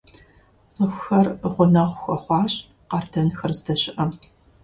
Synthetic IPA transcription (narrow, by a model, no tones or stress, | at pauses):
t͡sʼəxʷxɐrʁʷʊnɐʁʷʊxʷɐχʷɑːɕʼ | qɐrdɐnxɐrzdɐɕɪʔɐ